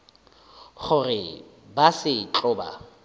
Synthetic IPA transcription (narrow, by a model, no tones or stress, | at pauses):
χʊrɪ | basɪt͡ɬʼʊːba̰